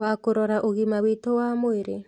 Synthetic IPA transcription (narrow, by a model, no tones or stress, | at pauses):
akoɾɔɾaʔoɣimawitowamoiɾe